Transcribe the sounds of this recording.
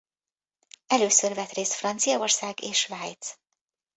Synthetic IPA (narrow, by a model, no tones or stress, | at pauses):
ɛløːsørvɛt̪reːst̪frɒnt̪sijɒorsaːɡeːʃvaːjt̪s